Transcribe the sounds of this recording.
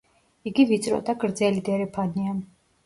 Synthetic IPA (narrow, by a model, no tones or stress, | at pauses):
iɡivit̪sʼɾɔ̰d̪aɡɾd̪zɛlid̪ɛɾɛpʰanian